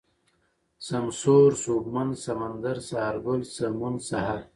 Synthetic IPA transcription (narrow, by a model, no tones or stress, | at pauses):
sɐmsoːɾsoːbmansɐmand̪aɾsahaɾɡʊlsɐmunsaɦaɾ